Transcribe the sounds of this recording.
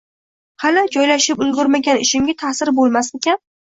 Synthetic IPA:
halad͡ʒɒjlaʃɪpʊzɡʲʊɾmaɡʲanɪʃɪmɡʲat̪ʰasɪɾbolˠmasekʲan

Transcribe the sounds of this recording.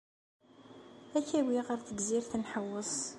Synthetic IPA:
æçæwiʁəɾθəɡziɾθənħəwːəsˤ

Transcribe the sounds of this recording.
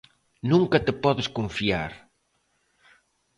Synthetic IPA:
nũŋkɐt̪ɪpɔðeskoɱfia̰ɾ

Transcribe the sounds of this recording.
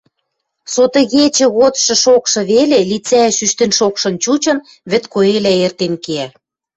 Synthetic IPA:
sot̪ɤ̆ɣet͡ɕə̆ɣot̪ʃɤ̆ʃokʃɤ̆βelelit͡sæʃyʃt̪enʃokʃɤ̆nt͡ɕut͡ɕɤ̆n | βɘ̆t̪koelæert̪enkeæ

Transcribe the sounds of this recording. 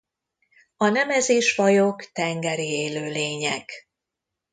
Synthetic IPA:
ɒnɛmɛzeːʃfɒjokt̪ɛŋɡɛɾieːløːleːɲɛɡ

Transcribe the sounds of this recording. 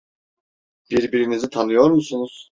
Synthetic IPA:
b̥iɾbiɾinizit̪ʰanɯjo̞ɾmusunuz̥

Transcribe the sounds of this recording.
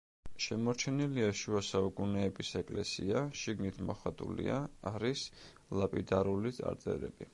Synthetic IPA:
ʃɛmɔɾt͡ʃʰɛniliaʃuasaukʼunɛːbisɛkʼlɛsiaʃiɡnit̪ʰmɔχat̪ʼṵlḭa̰ːɾis | lˠapʼid̪aɾulit̪sʼa̰ɾt̪ʼɛ̰ɾɛ̰b̥i

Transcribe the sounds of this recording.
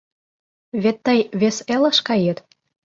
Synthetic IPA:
βet̪ːəjβeselə̆ʃkɑjət̪

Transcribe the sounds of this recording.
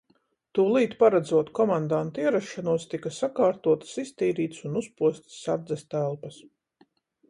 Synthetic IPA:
t̪uːlˠiːt̪paɾad̪zuɔt̪kɔmand̪ant̪iɛɾaʃːanuɔst̪ikasakaːɾt̪uɔt̪ḁsist̪iːɾiːt̪sunuspuɔst̪saɾd̪zɛst̪ælˠpɐs

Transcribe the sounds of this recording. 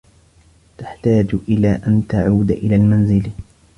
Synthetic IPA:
t̪ḁħt̪aːd͡ʒʔɪlaːʔant̪aʕuːd̪ʔɪlaːlmanzɪl

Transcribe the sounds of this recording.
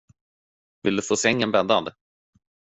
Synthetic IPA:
vɪld̪ɵfoːsɛŋːənbɛnd̪a̰nd̪

